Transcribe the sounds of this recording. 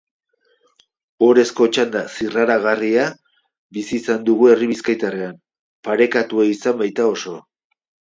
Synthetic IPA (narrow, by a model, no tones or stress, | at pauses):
o̞ɾe̞sko̞t͡ʃand̪asiraɾaɣaria | bisiːsand̪uɣue̞riβiskajt̪aream | paɾe̞kat̪ueisambajt̪ao̞so̞